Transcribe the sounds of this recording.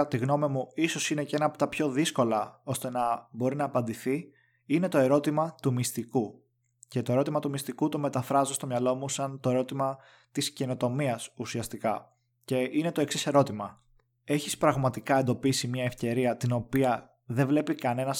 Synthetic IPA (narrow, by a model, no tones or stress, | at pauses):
t̪iɣno̞mimuiso̞sine̞ceenɐːpot̪ɐpço̞ðisko̞lɐo̞st̪e̞nɐbo̞ɾinɐːpɐnd̪iθi | ine̞t̪o̞e̞ɾo̞t̪imɐt̪umist̪iku | ce̞t̪o̞e̞ɾo̞t̪imɐt̪umist̪ikut̪o̞me̞t̪ɐfɾɐzest̪omɲɐlo̞musɐnt̪o̞e̞ɾo̞t̪imɐ | t̪isce̞no̞t̪o̞miɐsusiɐst̪ikɐ | ce̞ine̞t̪o̞e̞ksise̞ɾo̞t̪imɐ | e̞çispɾɐɣmɐt̪ikɐe̞nd̪o̞pisimɲɐefce̞ɾiɐt̪ino̞piɐ | ðe̞vle̞pikɐne̞nɐs